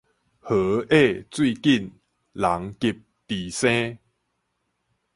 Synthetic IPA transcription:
hə˨˦e˥˧˨t͡swi˥˧ki˥˨n | la˨˦ŋki˧p̚t̪i˨˩sẽ˦

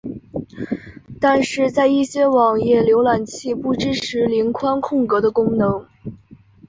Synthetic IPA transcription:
t̪a˥˧nʂɻ̩˥˧t͡sa˥˧ɪi˥˩ɕjɛ˥wɑ˨˩ŋjɛ˥˩ljo˧˥ʊla˨˩nt͡ɕʰi˥˧pu˥˩ʈ͡ʂɻ̩˥ʈ͡ʂʰɻ̩˧˥li˧˥nkʰwa˥nkʰʊ˥˩ŋkɤ˧˥d̪ə˧kʊ˥ŋnɤ˧˥ŋ

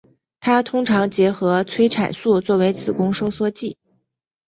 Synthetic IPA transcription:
t̪ʰa˥t̪ʰʊ˥ŋʈ͡ʂʰɑ˧˥ŋt͡ɕjɛ˧˥xɤ˧˥t͡sʰwe˥ɪʈ͡ʂʰa̰˨˩nsu˥˧t͡swɔ˥˩we˧˥ɪt͡sʰɹ̩˨˩kʊ˥ŋʂo˥ʊswɔ˥t͡ɕi˥˩

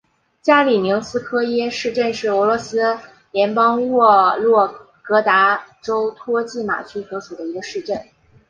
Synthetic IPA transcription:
t͡ɕja˥li˨˩mi˧˥ŋsɹ̩˥kʰɤ˥jɛ˥ʂɻ̩˥˧ʈ͡ʂə˥˧nʂɻ̩˥˩ɤ˧˥lwɔ˧˥sɹ̩˥ | ljɛ˧˥npɑ˥ŋwɔ˥˩˧lwɔ˥˩ | kɤ˧˥t̪a˧˥ʈ͡ʂo˥ʊt̪ʰwɔ˥t͡ɕi˥˩ma̰˨˩t͡ɕʰy˥swɔ˧˥su˨˩d̪ə˦i˧˥ɡə˧ʂɻ̩˥˧ʈ͡ʂə˥˩n

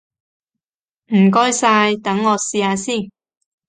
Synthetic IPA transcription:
m̩˨˩kɔː˥jsaː˧jt̪ɐ˨˥ŋːɔː˨˧siː˧aː˧siː˥˩

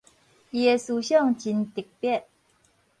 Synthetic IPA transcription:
jɛ˨˩su˨˩ɕjə˥˨ŋt͡ɕi˨˦nt̪i˨˩k̚pjɛ˥˨n

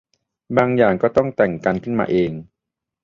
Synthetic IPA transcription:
baː˧ŋjaː˨˩ŋkɔː˥˩t̪ɔ˥˩ŋt̪ɛ˨˩ŋka˧nkʰɯ˥˩nma̰ː˧ʔeː˧ŋ

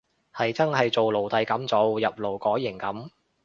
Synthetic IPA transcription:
hɐ˨jt͡sɐ˥nhɐ˨jt͡so˨wlo˨˩wt̪ɐ˨˧jkɐ˨˥mt͡so˨˥wjɐ˨p̚lo˨˩wkɔː˨˥jɪ˨˩ŋkɐ˨˥m

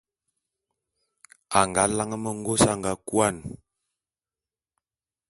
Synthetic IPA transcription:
a˨ŋɡa˨˦la˦ŋə˦mə˨ŋ˦ɡo˦sa˦ŋɡa˨˦kwa˦˨n

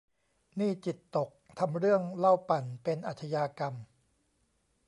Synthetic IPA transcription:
niː˥˩t͡ɕi˨˩t̪ːo˨˩k̚t̪ʰa˧mɾɯ˥˩əŋla˥˩wpa˨˩npe˧nʔa˨˩t̪ʰa˧jaː˧ka˧m

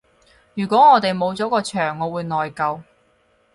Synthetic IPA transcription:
jyː˨˩kʷɔː˨˥ŋɔː˨˧t̪e˨jmo˨˧wt͡sɔː˨˥kɔː˧t͡ʃʰœː˨˩ŋːɔː˨˧wuː˨˧jnɔː˨jkɐ˧w

